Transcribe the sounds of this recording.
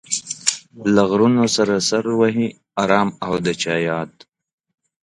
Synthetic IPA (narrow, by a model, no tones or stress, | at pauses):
laɣɾunosaɾasaɾwaɦi | aɾɑːmawd̪ət͡ʃɑːjɑːt̪̚